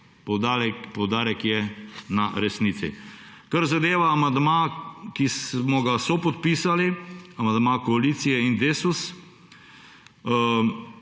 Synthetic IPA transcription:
pɔwd̪aɾɛkpɔwd̪aːɾɛkjɛnaɾɛsniːt̪sḭ | kaɾzad̪eːʋaːmand̪maːkismɔɡasɔpɔt̪piːsaliamand̪makɔaliːt̪sijɛind̪eːsus

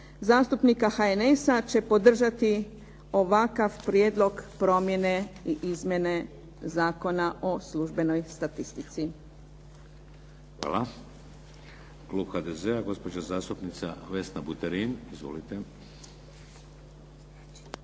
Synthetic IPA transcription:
zaːst̪upnikaxaene̞sat͡ɕe̞po̞d̪r̩ʒat̪i | o̞ʋakaʋpɾjeːd̪lˠo̞ɡpɾo̞mje̞ne̞iʔizmje̞ne̞ | zaːko̞naʔo̞slˠuʒbe̞no̞jst̪at̪ist̪it̪si | xʋa̰ːla | kluːbxad̪ezeaɡo̞spod͡ʒazaːst̪upnit̪sa̰ʋesnabut̪eɾinizʋo̞̰lit̪e

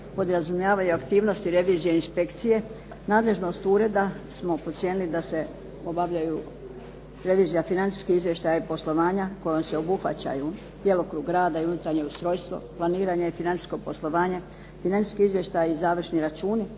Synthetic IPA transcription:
po̞d̪ɾazumjaːʋajuakt̪iːʋno̞st̪iɾe̞ʋiːzijeinspe̞kt̪sije̞ | naːd̪le̞ʒno̞st̪uɾe̞d̪asmo̞pot̪sjenilid̪ase̞ | o̞baʋʎaju | ɾe̞ʋiːzijafinant̪i̥skiizʋje̞ʃt̪ajaipo̞slˠo̞ʋaːɲako̞jomse̞o̞buxʋa̰t͡ɕa̰ju | d̪je̞lokɾuːɡɾaːd̪aiunut̪aɾɲeust̪ɾo̞ːjst̪ʋo̞̰planiːɾaɲeifinant̪isko̞po̞slˠo̞ʋaːɲe | finant̪i̥skiizʋje̞ʃt̪ajizaːʋr̩ʃniɾat͡ʃuːni

